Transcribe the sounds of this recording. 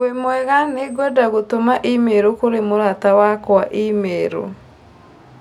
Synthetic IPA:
wemwɛɣaneɡɔdaɣotomaʔimeɾokoɾemoɾatawakwaʔimeɾo̰

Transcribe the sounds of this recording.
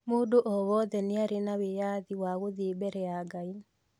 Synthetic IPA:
moːdoʔɔwɔðɛneaɾenawejaðiwaɣoðebɛɾɛaɡai

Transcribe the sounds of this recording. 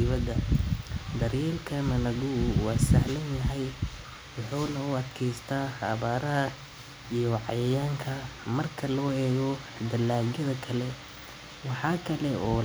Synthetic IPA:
ɪβɐdɐ | d̪ɐɾjɛːlkʰɐmɐnɐɡʊwɑːsɐ̰ʕlɐnjɐɦɛj | wɑħuːnɐʊɐd̪kʰɛjst̪ʰaːɐ̰βaːɾɐɦɐ | ijɔʕɑ̰jɐjaːŋkʰɐmɐrkʰɐlɔːɛːɣɔ | d̪ɐlaːɡɐðɐkʰɐlɛ | wɑħɑːkʰɐlɛɔː

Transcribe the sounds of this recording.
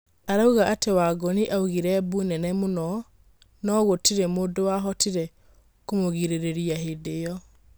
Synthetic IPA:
aɾauɣaʔatewaɡoniʔauɣiɾɛbunɛnɛmonɔ | nɔɣotiɾemoːdowaɦɔtiɾɛ | komoɣiɾeɾeɾiaɦedejɔ

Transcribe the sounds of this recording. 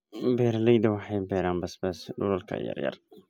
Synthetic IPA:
bɛːɾlɛjd̪ɐwɑħɑjbɛɾaːmbɐsbɛsɖʊlɐlkʰɐ̰jɐ̰ɾjɐ̰r

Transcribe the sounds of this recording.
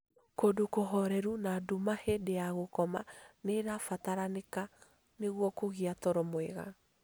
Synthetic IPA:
kodokoɦɔɾɛɾunadumahedejaɣokɔmaneɾafataɾaneka | neɣwɔkoɣiatɔɾɔmwɛɣa̰

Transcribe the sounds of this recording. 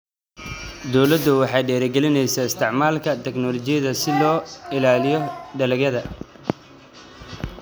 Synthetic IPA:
d̪ɔwlɐd̪ːʊwɑħɑjɖɛːɾɛɡɛlɪnɛjsaɪst̪ʰɪʕmaːlkʰɐt̪ʰɛɡnɔlɔt͡ʃɪjɐðɐsɪlɔːɪlaːlɪjɔɖɐlɐɣɐðɐ

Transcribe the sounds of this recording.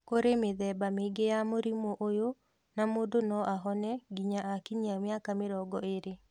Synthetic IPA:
koɾemeðɛbameɡejamoɾimoʔojo | namoːdonɔʔaɦɔnɛɡiɲaakiɲiamjakameɾɔɡɔeɾe

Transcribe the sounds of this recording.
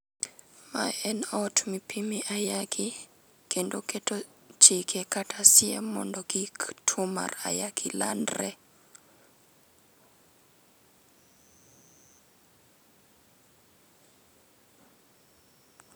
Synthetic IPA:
ma̰ɛnɔtʰmipʰimiʔajakʰi | kʰendoketo | t͡ʃikʰekatʰasɪɛ̰mɔ̰ndɔɡiktʰʊma̰ra̰jaɡila̰ndrɛ

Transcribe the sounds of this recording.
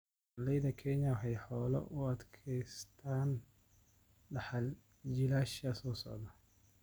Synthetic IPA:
lɛjðɐkʰɛɲɐħɛjħɔːlɔ̰ʔʊɐd̪kʰɛjst̪ʰaːn | ɖɑħɑl | d͡ʒɪlaːʃɐsɔːsɔ̰ʕðɐ

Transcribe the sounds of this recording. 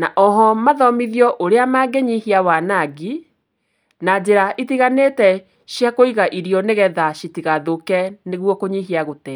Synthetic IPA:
naʔɔɦɔmaðɔmiðiɔʔoɾeamaːɡeɲihiawanaɡi | nad͡ʑeɾaʔitiɣaneːtɛ | ɕjakoiɣaʔiɾiɔneɣɛðaɕitiɣaðokɛneɣwɔkoɲiɦiaɣotɛ

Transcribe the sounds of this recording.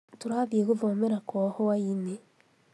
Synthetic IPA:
tuɾaːβjeɣuvoːmeɾakohowaine

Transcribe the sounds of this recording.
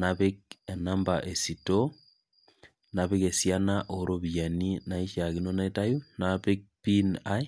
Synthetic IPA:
naβek̚enambaʔesito | naβeɣesjanaʔoɾoβianinaiʃaɣinonaetajunaβek̚pinai

